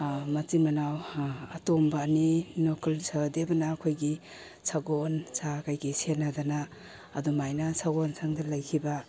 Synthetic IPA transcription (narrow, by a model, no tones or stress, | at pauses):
matimɐnawatɔmbaninɔkʰalsadebɐnaːkʰojɡi | sʰaɡonsakajɡisenadanaː | dumajnasʰaɡonsʰaŋdalɐjkʰiba